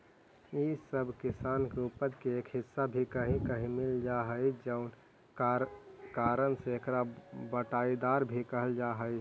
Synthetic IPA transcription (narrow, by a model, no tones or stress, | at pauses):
isəbkɪsaːnkupəd̪keeːkɦɪsːabʱikəɦĩkəɦĩmɪld͡ʒaɦəid͡ʒəʊn | kaːɾənseekʰɾabəʈaid̪aːɾbʱikəɦəld͡ʒaɦəj